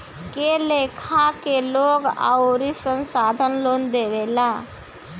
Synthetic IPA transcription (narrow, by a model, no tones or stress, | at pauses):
kelekʰakeloɡa̰ʊɾisənsad̪ʱənlond̪ebela